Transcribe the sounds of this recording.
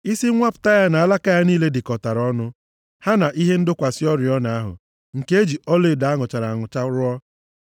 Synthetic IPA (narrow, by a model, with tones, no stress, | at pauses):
i˦si˦ŋʷa˦pʊ̥˨ta˦ja˦na˨a˦˨la˦ka˦ja˦niː˦le˦dɪ˨kɔ˨ta˨ɾɔ˦nʊ˦ | ha˦na˨ʔi˦ɦe˦n̩˦dʊ˦kʷa˨sɪ˦ɔ˦ɾɪ˨ɔ˦na˨a˦ɦʊ̰˨ | ŋ̩˨ke˦d͡ʒi˨ɔ˦le˦˨da˨a˦ŋʊ˨t͡ʃa˨ɾa˨ŋʊ˨t͡ʃa˦ɾʊ˦ɔ˦